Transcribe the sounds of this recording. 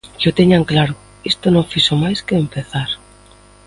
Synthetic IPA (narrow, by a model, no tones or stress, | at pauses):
kot̪eɲaŋklaɾʊ | ist̪onõŋfisomajskeːmpeθaɾ